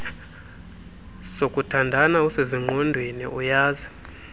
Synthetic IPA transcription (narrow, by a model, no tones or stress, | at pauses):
sokʼutʰandʱanauseziŋ͡ǃʱɔndʱwinḭʔujaːzi